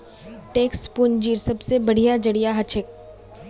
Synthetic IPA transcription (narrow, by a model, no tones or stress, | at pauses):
ʈeːkspʊnd͡ʒiːɾsɐbsebɐɽ̤ijad͡ʒɐɽijaɦɐt͡ʃʰɪk̚